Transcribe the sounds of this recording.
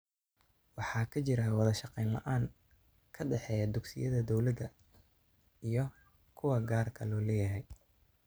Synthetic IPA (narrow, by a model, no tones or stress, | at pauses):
wɑħɑːkʰɐt͡ʃɪɾawɑðɐʃɑqɛjnlɐ̰ʔaːŋ | kʰɐɖɛħɛːjɐd̪ʊɡsɪ̰jɐðɐd̪ɔwlɐd̪ɐ | ijɞ | kʰʊwɐɡaːrkʰɐlɔːlɛːjɐɦɛj